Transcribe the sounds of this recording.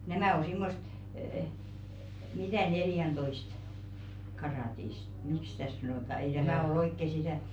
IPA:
næmæˑ o simːost əː mitæˑ neljæntoist kɑrɑˑtist miks̆ sĭtæˑ sɑnoˑtɑ ei tæmæˑ ol oikːe sitæˑ

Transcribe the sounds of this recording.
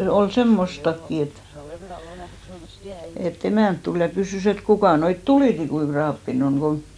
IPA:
ol semːostɑkːi et et emæˑnt tul jɑ kysyˑs et kukɑˑ noit tuliˑtikui krɑːpːin oŋ ɡ̊o

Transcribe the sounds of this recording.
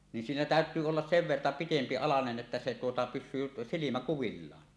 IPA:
nin siːnæ tæˑøt̆yː olːɑs seʋ ʋertɑ pitempi ɑlɑnen ʔetːæ se tuotɑ pyʃsyː silimæ kuʋilːɑːn

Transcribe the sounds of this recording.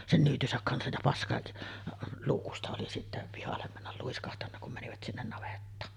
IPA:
sen nyːtysæk kɑnsɑj jɑ pɑskɑ luːkustɑ oli sitːæ pihɑlːem mænːæl luiskɑhtɑnːɑ kum mæniʋæt sinːen nɑʋetːɑːn

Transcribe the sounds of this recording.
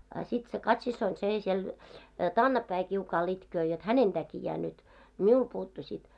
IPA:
ɑ sit se kɑtsisːoin seˑ siel tɑːnːɑpːæi kiukɑːl itkøː jot hænen tækijæː nyt miul puːtːu sit

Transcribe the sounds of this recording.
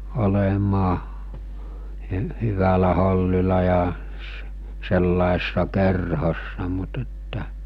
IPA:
olemɑː hy hyʋælæ holːilɑ jɑ s selːɑese̥sːɑ kerhosːɑ mut etːæ

